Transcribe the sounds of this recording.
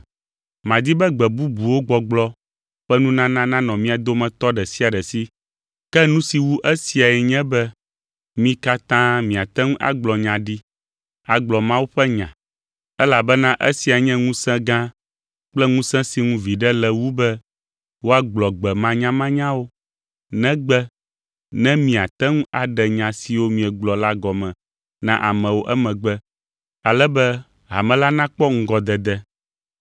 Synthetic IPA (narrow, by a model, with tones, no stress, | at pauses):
mã˨d̪i˦bɛ˦ɡ͡bɛ˨bu˦bu˨wo˦ɡ͡bɔ˨ɡ͡blɔ˦ | ɸɛ˦nũ˦nã˦nã˦nã˦nɔ̃˨mĩ˦a˨d̪o˦mɛ̃˨t̪ɔ˦ɖɛ˨si˦a˨ɖɛ˨si˦ | kɛ˦nũ˦si˨wu˦ʔe˦si˨a˨ɛ˨ɲɛ̃˦bɛ˦ | mĩ˦ka˦t̪ã˦mĩ˨a˨t̪ɛ˦ŋũ˦ʔa̰˨ɡ͡blɔ˨ɲã˨ɖi˦ | a˨ɡ͡blɔ˨mã˦wu˦ɸɛ˦ɲã̰˨ | ɛ˦la˨bɛ˦nã˦ʔḛ˦si˨a˨ɲɛ̃˦ŋũ˦sɛ̃˦ɡã˦ | k͡plɛ˦ŋũ˦sɛ̃˦si˨ŋũ˦vi˨ɖɛ˦lɛ˨wu˦bɛ˦ | wo˦a˦ɡ͡blɔ˨ɡ͡bɛ˨mã˦ɲã˦mã˦ɲã˦wo˦ | nɛ̃˦ɡ͡bɛ˦ | nɛ̃˦mĩ˨a˨t̪ɛ˦ŋũ˦ʔa˨ɖɛ˨ɲã˨si˨wo˦mĩ˨ɛ˨ɡ͡blɔ˨la˦ɡɔ˨mɛ̃˨ | nã̰˦ʔa˨mɛ̃˨wo˦ʔɛ˦mɛ̃˨ɡ͡bɛ˦ | a˨lɛ˦bɛ˦ | ɦa̰˨mɛ̃˨la˦nã˦k͡pɔ˦ŋ̩˦ɡɔ˨d̪ɛ˨d̪ɛ˦